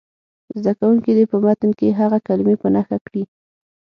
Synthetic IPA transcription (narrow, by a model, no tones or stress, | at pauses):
zd̪akawuŋkid̪epəmat̪ənkeɦaɣakalɪmepənaxakɽi